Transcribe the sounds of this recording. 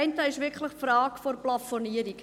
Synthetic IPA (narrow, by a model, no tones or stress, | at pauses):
ɪntəɪʃʋɪkʰləχfrɑːkforplɑfoniəɾik